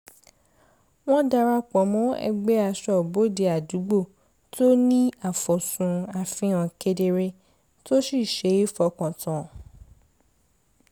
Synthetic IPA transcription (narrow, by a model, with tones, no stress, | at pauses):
w̃ɔ̃˦da˧ɾa˧k͡pɔ˨˦mɔ̃˦ɛ̰˧ɡ͡bɛ˦a˧˨ʃɔ˦˨bo˨˦de˧a˨du˨˦ɡ͡bo˦˨ | to˦nĩ˦a˦˨fɔ˨sũ˨˧a˨fĩ˧˦ã˨ke˧de˧ɾe˧ | to˦si˦˨ʃe˨˦i˦fɔ˧˨kɔ̃˨tã˨